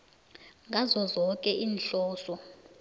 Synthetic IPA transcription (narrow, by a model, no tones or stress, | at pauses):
ŋɡʱazɔzɔkʼɛʔiːnɬɔːsɔ